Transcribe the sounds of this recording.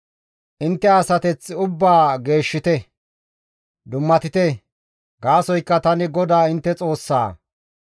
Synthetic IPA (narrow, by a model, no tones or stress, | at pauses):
ʔɪnt̪ːɛɐsɐt̪ɛt͡sːʊbːaːɡe̞ːʃːɪt̪ɛ | d̪ʊmːɐt̪ɪt̪ɛ | ɡaːsɔjkːɐt̪ɐnɪɡɔd̪aːɪnt̪ːɛt͡sʼo̞ːsːa̰ː